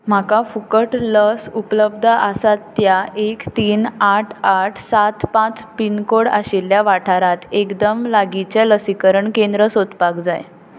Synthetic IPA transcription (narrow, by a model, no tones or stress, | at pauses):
m̤akafukəʈləsupləb̚d̪ʱəʔasat̪ːjaʔekt̪iːnaʈʰaʈʰsat̪pãt͡spinkoɽa̰ɕilːjaʋaʈʰaɾat̪ekd̪əmlaɡit͡ɕɛləsikəɾəɳkend̪ɾəsod̪pakd͡za̰j